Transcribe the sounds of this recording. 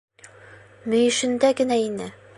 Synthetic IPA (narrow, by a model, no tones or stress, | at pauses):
mɵ̆jɘ̆ʃɘ̆nd̪æɡɘ̆næinɘ